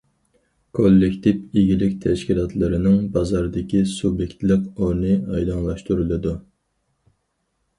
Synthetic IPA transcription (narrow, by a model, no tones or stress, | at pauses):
kʰolːɪkʲt̪ʰɪpiɡʲilɪkʲt̪ʰɛʃkʲilˠɑt̪ʰlˠɨɾɪnɪŋbɑzɑɾd̪ɪkʲisubjekʲt̪lˠəqoɾnɨɑjd̪ɑŋlˠɑʃt̪uɾɨlˠɨd̪u